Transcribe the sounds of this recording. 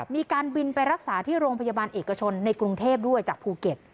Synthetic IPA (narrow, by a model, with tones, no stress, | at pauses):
miː˧kaː˧nbi˧npa˧jɾa˦˥k̚saː˩˦t̪ʰiː˥˩ɾoː˧ŋpʰa˧jaː˧baː˧nʔeː˨˩kːa˧t͡ɕʰo˧nːa˧jkɾu˧ŋt̪ʰeː˥˩p̚du˥˩əjt͡ɕaː˨˩k̚pʰuː˧ke˨˩t̪̚